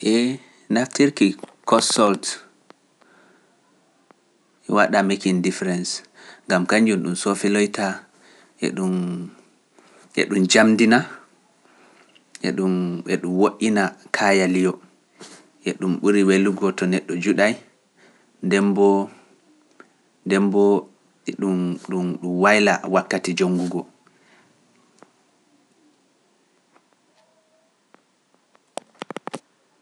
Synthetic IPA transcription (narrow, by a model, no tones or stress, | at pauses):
ʔɛ | naftʰiɾkikɔsɔlt | ʔɛwaɗamekiŋdifɛɾɛns | ŋɡamkaɲd͡ʒunɗumsofɛlɔjta | ʔɛ̰ɗum | ʔɛ̰ɗumd͡ʒamdina | ʔɛ̰ɗumɓɛɗumwoʔinakʰajalijɔ | ʔɛɗumɓuɾiweluɡɔtɔnɛɗːɔd͡ʒuɗaj | ndɛmbɔ | ndɛmbɔ | ɛɗumɗumɗumwajla̰wakːatid͡ʒoŋɡuɡɔ